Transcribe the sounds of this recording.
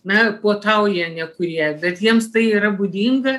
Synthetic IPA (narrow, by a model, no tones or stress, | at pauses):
nɐpoːt̪ɐʊjiɛnʲɛkʊɾʲiɛjbʲɛt̪jiɛmst̪ɐɪiːɾɐbʊd̪ʲiːŋɡɐ